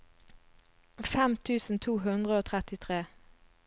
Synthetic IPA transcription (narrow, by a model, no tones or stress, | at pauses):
fɛmt̪ʰʉːsn̩t̪ʰuːɦʉnd̪ʁəoːt̪ʰʁɛt̪ɪt̪ʰʁeː